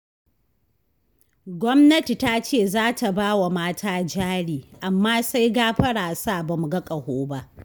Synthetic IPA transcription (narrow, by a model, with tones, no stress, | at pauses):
ɡʷɔ˦mnɐ˦ti˨ta˦t͡ʃeː˦˨zaː˦ta˨baː˦wa˨maː˦tʰaː˦d͡ʒaː˦ɽiː˨ʔa˨mːaː˦sa˦jɡaː˦ɸɐ˦ɽaː˨sa˦˨bɐ˨mu˨ɡɐ˦kʼɐ˨hoː˦ba˦ʔ